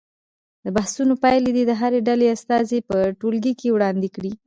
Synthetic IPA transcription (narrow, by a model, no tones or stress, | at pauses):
d̪əbahsunopajled̪id̪əɦaɾeɖaleast̪ɑzepəʈolɡikewɽɑnd̪ikɽi